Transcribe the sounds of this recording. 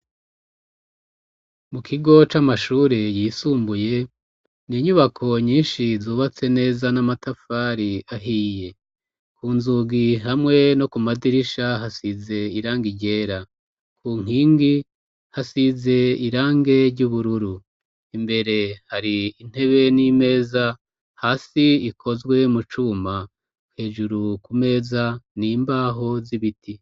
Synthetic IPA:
mukʰiɡo̞t͡ʃamaʃuːɾejiːsuːmbuje̞ | niːɲuβakʰo̞ɲiːnʃizuːβat͡se̞ne̞ːzanamatafaːɾiaɦiːje̞ | kʰuːnzuɡiɦamŋe̞no̞kumadiɾiʃaɦasize̞iɾaːŋɡiɟe̞ːɾa | kʰuːŋ̥iːŋɡi | hasize̞iɾaːŋɡe̞ɾɟuβuɾuɾu | imbe̞ɾe̞haɾiːn̥he̞βe̞nime̞ːza | haːsiiko̞zɡwe̞mut͡ʃuma | he̞ːʒuɾukume̞ːzaniːmbaːɦo̞ziβiti

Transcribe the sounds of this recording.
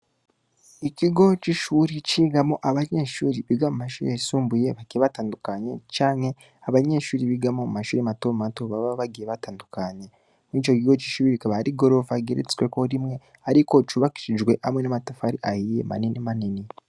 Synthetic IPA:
ikiɡo̞t͡ʃiʃuːɾit͡ʃiːɡamo̞ʔaβaɲeːʃuːɾiβiɡamumaʃuːɾiasuːmbuje̞βakieβataːndukaɲe̞t͡ʃaːnhe̞ | aβaɲe̞ːʃuːɾiβiɡamo̞mumaʃuːɾiamatomatoβaβaβaɡijeβataːndukaɲe̞ | nit͡ʃokiɡo̞t͡ʃi̥ʃuːɾiβikaβaaɾiɡo̞ɾo̞vaɡeɾḛt͡skweko̞ɾimŋe̞ | aɾiko̞t͡ʃuβaki̥ʃid͡ʒɡwe̞ʔa̰mwenamatafaɾiʔahijḛma̰ninimanini

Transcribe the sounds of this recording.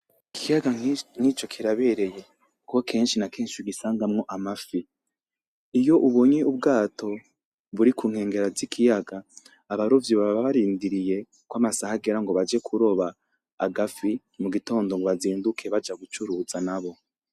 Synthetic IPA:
ikijaɡaŋ̥it͡ʃo̞kʰiɾaβe̞ɾe̞je̞ | kukokʰe̞ːnʃinake̞ːnʃiɡisaːŋɡamŋo̞ʔamafi | jo̞ʔuβo̞ɲeʔub̚ɡaːtʰo̞ | βuɾikuːŋ̥he̞ːŋɡe̞ɾazikʰijaɡaː | βaɾovjoβaβaβaβaɾiːndiɾije̞ | kwamasahaɡe̞ɾaŋɡoβad͡ʒekʰuɾo̞βaː | ɡafi | muɡito̞ːndo̞ŋɡoβaziːndukʰe̞βad͡ʒaɡut͡ʃuɾuzanaβo̞

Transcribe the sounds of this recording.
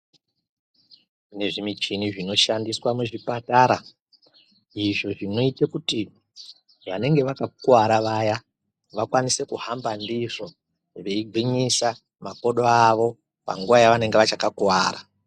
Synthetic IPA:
kune̞ʐimit͡ʃiniʐino̞ʃandiswamuʐipataɾa | iʐo̞ʐino̞itekuti | ʋane̞ŋɡe̞ʋakakuwaɾaʋaja | ʋakwanise̞kuhambandiʐo̞ | ʋe̞iɡʱiɲisa | mako̞ɗoaʋo̞ | pa̰ŋɡuʋajaʋane̞ŋɡeʋat͡ʃakakuwaːɾa

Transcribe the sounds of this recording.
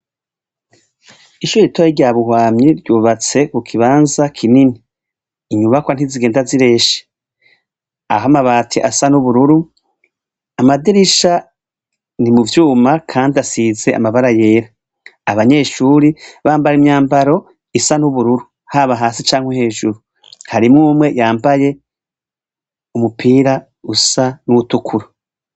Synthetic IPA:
iʃuːɾitojeɾɟaːβuhwaːmɲiɾɟuːβat͡se̞kukʰiβaːnzakʰininiː | ɲuβakwan̥hiziɡeːndaziɾe̞ːʃe̥ | a̰ɦamaβaːtʰiʔasanuβuɾuɾu | amadiɾiʃa | nimuvjuːmakʰaːndiasize̞ʔa̰maβaɾaje̞ːɾaː | βaɲe̞ːʃuːɾiβaːmbajemɲaːmbaɾo̞ | isanuβuɾuɾu | haβaɦaːsit͡ʃaːŋhwehe̞ːʒuɾu | haɾimŋuːmwe̞jaːmbaje̞ | umupʰiːɾa | usanuutukʰuɾo

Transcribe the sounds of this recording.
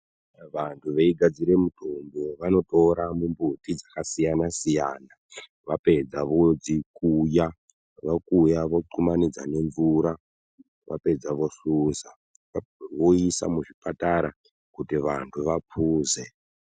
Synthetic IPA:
ʋantʰuʋeiɡʱad͡ziɾe̞mutʰomboʋano̞toɾamumbutid͡zakasijanasijaːna | ʋape̞d͡zaʋo̞d͡zikuja | ʋakujaʋoǃumanid͡za̰ne̞ɱvuɾa | ʋa̰pe̞d͡zaʋo̞suːza | ʋoisa̰muʐipataɾa | kutiʋa̰ntʰuʋapʰuːze

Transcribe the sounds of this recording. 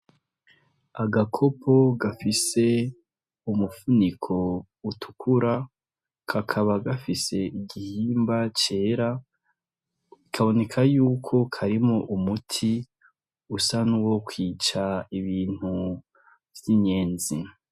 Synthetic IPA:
aɡakʰo̞pʰo̞ɡafise̞ | umufunikʰo̞ | utʰu̥kʰuɾa | kʰakʰaβaɡafise̞iɡihiːmbat͡ʃe̞ːɾa | ikʰaβo̞ne̞kʰajuːkʰo̞kʰaɾimoʔumutʰi | usanuwokwiːt͡ʃaiβiːn̥hu | vziɲe̞ːnzi

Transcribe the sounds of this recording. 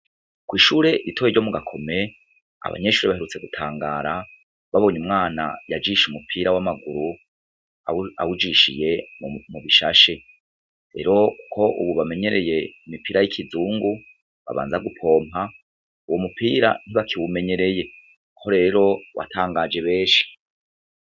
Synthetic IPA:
kwiːʃuːɾe̞ʔitʰoβeɾɟo̞muɡakʰo̞me̞ | a̰βa̰ɲe̞ʃuːɾeβaheɾut͡se̞ɡutʰaːŋɡaːɾa | βaβo̞ːɲumŋaːna̰jad͡ʒiʃumupʰiːɾawamaɡuɾu | aa̰wud͡ʒiʃḭje̞muβiʃaʃe | ɾe̞ɾo̞kʰo̞ʔṵβuβame̞ɲe̞ɾe̞je̞imipiːɾajikʰizuːŋɡu | βa̰βa̰ːnzaɡupʰo̞ːmha | uwo̞mupʰiːɾa̰n̥iβakʰiwume̞ɲe̞ɾe̞je̞ | ho̞ɾe̞ɾo̞wa̰tʰaːŋɡad͡ʒe̞βe̞ːʃi̥

